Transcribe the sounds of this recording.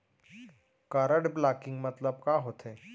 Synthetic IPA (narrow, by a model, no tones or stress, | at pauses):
kaːɾəɖplaːkɪ̃ŋɡmɐt̪ləbkaːɦoːt̪eː